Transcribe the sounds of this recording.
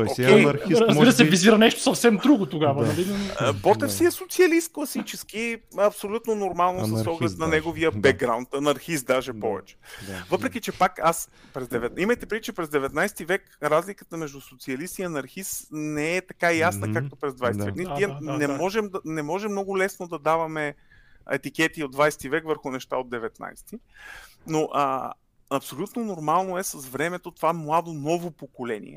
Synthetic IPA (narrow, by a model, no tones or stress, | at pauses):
okʲɛjɐzbiɾəsɛviziɾənɛʃt̪o̥sɐfsɛmd̪ɾuɡʊt̪oɡavənɐlibɔt̪ɛfsiɛsot̪siɐlist̪̚klˠɐsit͡ʃɛskiɐpsolʲut̪nonoɾmalˠnosɔɡlɛt̪nɐnɛɡoviəbɛɡ̚ɡɾawnt̪ɐnɐɾxist̪̚d̪aʒɛpɔvɛ̰t͡ʃɛ̥vɤpɾɛk̟it͡ʃɛpakaspɾɛzd̪ɛvɛt̪imɐjt̪ɛpɾiit͡ʃɛpɾɛzd̪ɛvɛt̪najst̪ivɛk | ɾazlikət̪əmɛʒd̪usot̪siɐlist̪iɐnɐɾxisnɛɛt̪ɐkajasnəkak̚t̪opɾɛzd̪vajst̪vɛnit̪iɛnɛmɔʒɛmd̪ɐnɛmɔʒɛmnɔɡʊlɛsnod̪ɐd̪avɐmɛ | ɛ̰t̪ikɛt̪iod̪d̪vajsɛ̥t̪ivɛkvəɾxʊnɛʃt̪a̰od̪ɛvɛt̪na̰jst̪inoʔə | ɐpsolʲut̪nonoɾmalˠnoɛsɐsvɾɛmɛt̪ot̪ovamlˠad̪onɔvopokolɛnḭɛ̰